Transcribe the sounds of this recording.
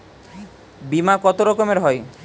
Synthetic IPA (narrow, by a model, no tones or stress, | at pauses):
bimakɔt̪oɾɔkomeɾɦɔj